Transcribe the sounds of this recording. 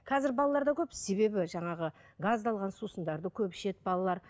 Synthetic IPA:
qʰɑzɪɾbɑlˠɑlˠɑɾd̪ɑkʲʰɵpse̞βe̞bɪʒɑɴɑʁəɡazd̪ɑlˠʁɑnsusənd̪ɑɾd̪əkʲʰɵpʃe̞t̪bɑlˠɑlˠɑɾ

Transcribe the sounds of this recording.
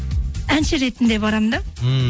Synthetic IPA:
ænʃɪɾe̞t̪ɪnd̪e̞βɑɾɑmd̪ɑ

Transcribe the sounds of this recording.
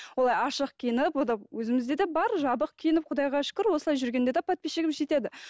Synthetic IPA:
wo̞lˠɑjɑʃəqkʲʰijɪnɪpwod̪ɑwɵzɪmɪzd̪e̞d̪ebɑɾʒɑbəqkʲʰijɪnɪp̚qʰʊd̪ɑjʁɑʃɪ̥kʲɪɾwo̞səlˠɑjʒʏɾɡʲend̪e̞d̪epʰɑt̪̚peʃeɡʲɪmʒe̞t̪ed̪ɪ

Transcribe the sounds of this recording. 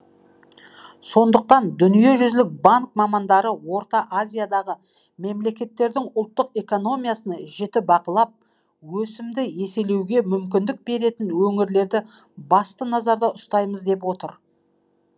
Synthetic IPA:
so̞nd̪əq̚t̪ɑnd̪ʏnije̞ʒʏzlɪk̚baŋk̚mɑmɑnd̪ɑɾəwo̞ɾt̪ɑʔazʲijad̪ɑʁə | me̞mle̞kʲe̞t̪ːe̞ɾd̪ɪŋʊlˠt̪ːəqe̞ko̞no̞mijasənɑʒet̪ɪbɑqəlˠɑp̚ | wɵsɪmd̪ɪje̞se̞le̞wɡʲe̞mʏmkʲɪnd̪ɪk̚be̞ɾe̞t̪ɪnwɵŋɪɾle̞ɾd̪ɪ | bɑst̪ənɑzɑɾd̪ɑʊst̪ɑjməzd̪e̞p̬wo̞t̪əɾ

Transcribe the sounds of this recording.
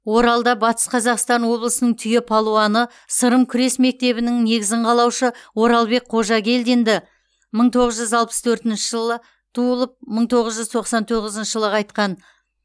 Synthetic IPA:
wo̞ɾɑlˠd̪ɑbɑt̪ə̥sqʰɑzɑqst̪ɑnwo̞blˠəsənəɴt̪ʰʏjepʰolˠoɑnə | səɾəmkʲʰʏɾe̞sme̞k̚t̪e̞βɪnɪŋne̞ɡʲɪzɪɴqʰɑlˠɑwʃəwo̞ɾɑlˠbe̞k̚qʰo̞ʒɑɡʲe̞ld̪e̞nd̪ɪ | məɴt̪ʰo̞ʁəzʒʏzɑlˠpə̥st̪ʰɵɾt̪ɪnʃɪʒəlˠə | t̪ʰuəlˠəp̚məɴt̪ʰo̞ʁəzʒʏzt̪ʰo̞qsɑnt̪ʰoʁəzənʃəʒəlˠəʁɑjt̪qɑn

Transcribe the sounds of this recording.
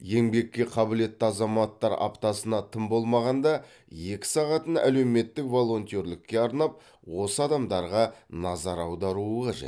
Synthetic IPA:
je̞ŋbe̞kʲːe̞qʰɑbɪle̞t̪ːɪɑzɑmɑt̪ːɑɾɑ̰pt̪ɑsənɑt̪ʰəmbo̞lˠmɑʁɑnd̪ɑ | je̞kʲɪ̥sɑʁɑt̪ənæ̰le̞wme̞t̪ːɪkvo̞lˠo̞nt̪ʲeɾlɪkʲːe̞ɑɾnɑp̚ | wo̞səɑd̪ɑmd̪ɑɾʁɑnɑzɑɾɑwd̪ɑɾuəqʰɑʒḛt̪

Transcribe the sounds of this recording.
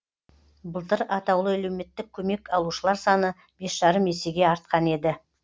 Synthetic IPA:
bəlˠt̪əɾɑt̪ɑwlˠəælewme̞t̪ːɪkʲʰːɵme̞kʰɑlˠuʃəlˠɑɾsɑnə | b̥e̞sʒ̥ɑɾəmje̞se̞ɡʲe̞ɑɾt̪̚qɑne̞d̪ɪ

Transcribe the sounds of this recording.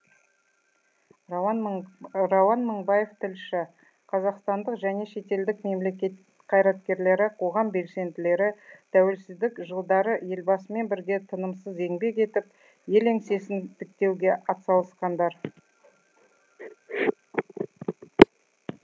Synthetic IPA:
rɑwɑnməɴbɑje̞ft̪ʰɪlʃɪ | qʰɑzɑqst̪ɑnd̪əqʒæne̞ʃe̞t̪e̞ld̪ɪkme̞mlekʲet̪ | qʰɑjɾɑt̪̚kʲe̞ɾle̞ɾɪqʰo̞ʁɑmbe̞lse̞nd̪ɪle̞ɾɪt̪ʰæwe̞lsɪzd̪ɪkʒəlˠd̪ɑɾəje̞lbɑsəme̞nbɪɾɡʲe̞t̪ʰənəmsəze̞ŋbe̞ke̞t̪ɪp̚ | je̞leŋse̞sɪnt̪ɪk̚t̪e̞wɡʲe̞ʔɑt̪sɑlˠəsqɑnd̪ɑɾ

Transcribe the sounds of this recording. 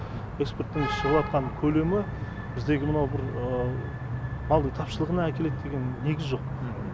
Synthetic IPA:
e̞kspe̞rt̪ːɪŋʃəʁəlˠɑt̪̚qɑnkʲʰɵle̞mɪ | bɪzd̪e̞ɡʲɪmənɑwbɪɾə | mɑlˠd̪əjt̪ʰɑpʃəlˠəʁənɑækʲe̞le̞t̪ːd̪e̞ɡʲe̞nːe̞ɡʲɪzʒo̞q̚

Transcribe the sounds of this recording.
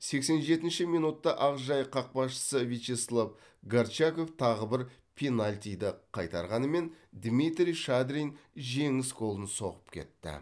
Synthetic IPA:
se̞kse̞nʒe̞t̪ɪnʃɪmijnut̪ːɑʔɑʁʒɑjqʰɑq̚pɑsʃə̥səvit͡ʃeslˠav | ɡaɾt͡ʃako̞ft̪ʰɑʁəbɪɾ | pʲʰenalʲt̪ʲijd̪ɪqʰɑjt̪ɑɾʁɑnəme̞nd̪mit̪ɾʲijʃad̪ɾʲijnʒe̞ŋɪsqʰo̞lˠənso̞ʁəpkʲʰe̞̰t̪ːɪ̰

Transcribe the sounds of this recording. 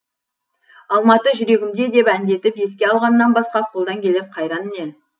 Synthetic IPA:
ɑlˠmɑt̪əʒʏɾe̞ɡʲɪmd̪e̞d̪e̞pænd̪e̞t̪ɪpje̞s̬kʲe̞ɑlˠʁɑnəːɑnbɑsqɑqʰo̞lˠd̪ɑŋkʲʰe̞lep̚qʰɑjɾɑnəne

